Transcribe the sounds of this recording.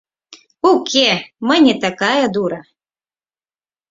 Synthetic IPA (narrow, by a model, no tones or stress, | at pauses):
ukʲʰemənʲɛt̪akajɐd̪uɾɐ